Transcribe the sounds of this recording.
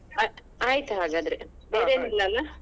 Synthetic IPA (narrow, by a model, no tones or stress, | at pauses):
a | aːjit̪uaːɡaːd̪ɐɾebeːɾeːnilːɐɐlːa